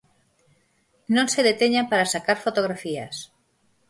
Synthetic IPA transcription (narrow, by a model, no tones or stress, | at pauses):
nõnseðet̪eɲampaɾasakaɾfot̪oɣ̞ɾafia̰s